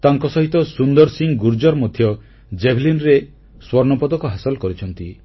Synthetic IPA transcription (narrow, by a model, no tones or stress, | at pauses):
t̪aŋkɔsɔɦit̪ɔsund̪ɔɾsiŋɡuɾd͡ʒɔɾmɔd̪ʱːjɔ | d͡ʒebʱlinɾe | swɔɾnɔpɔd̪ɔkɔɦasɔlɔkɔɾit͡ʃʰɔnt̪i